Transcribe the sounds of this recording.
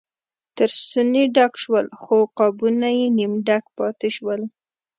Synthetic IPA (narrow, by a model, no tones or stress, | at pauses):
t̪əɾssuneɖakʃwəlxoqɑbunajenimɖakpɑt̪eʃwəl